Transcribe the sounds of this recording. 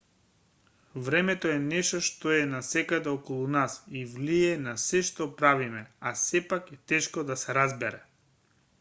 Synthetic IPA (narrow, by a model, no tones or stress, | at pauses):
vɾɛmɛt̪oɛnɛʃt̪ɔʃt̪oɛnasɛkad̪ɛɔkɔlˠunasivliɛnasɛʃt̪ɔpɾavimɛasɛpakɛt̪ɛʃkɔd̪asɛɾazbɛɾɛ